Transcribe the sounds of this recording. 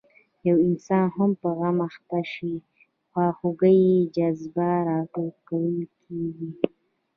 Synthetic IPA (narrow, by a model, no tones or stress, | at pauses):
jawɪnsɑnhampəɣamaxt̪aʃi | xwɑxuɡəjed͡ʒazbaɾɑʈoɾkawəlkʰeɡi